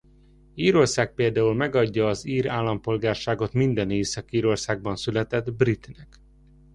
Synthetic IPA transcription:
iːɾo̞rsaːk̚peːld̪aːulmɛɡɒɟːɒːziːɾaːlːɒmpo̞lɡaːrʃaːɡo̞t̪mind̪ɛneːsɒkiːɾo̞rsaːɡ̚bɒnsylɛt̪ɛd̪brit̪nɛk

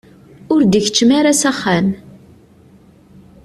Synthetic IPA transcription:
ʊɾd̪əçt͡ʃːmaɾasæχːæm

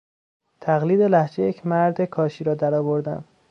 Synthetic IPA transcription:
t̪ʰæɣliːd̪e̞læhd͡ʒejecʰmæɾd̪ekʰɒːʃiːɾɒːd̪æɾɒːvo̞ɾd̪æ̰m

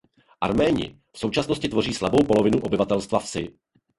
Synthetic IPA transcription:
ʔa̰ɾmɛːɲɪ̰ | fso̞wt͡ʃasnoscɪt̪vo̞riːslabo̞wpo̞lo̞vɪnuʔo̞bɪvat̪ɛlst̪vafsɪ

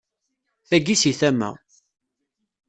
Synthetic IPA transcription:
θæɡisiθæmːæ̰

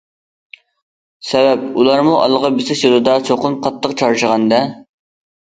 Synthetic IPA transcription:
sɛvɛp̚ulˠɑɾmuʔɑ̰lˠʁɑbɪsɪʃjolˠɨd̪ɑt͡ʃʰoqʊnqʰɑt̪ʰːəqt͡ʃʰɑɾʃəʁɑnd̪ɛ

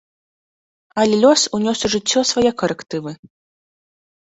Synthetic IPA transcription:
ɐlʲɛlʲɔsunʲɔsʲuʐɨt͡sʲːɔsvajɛkɐɾɛkt̪ɨvɨ

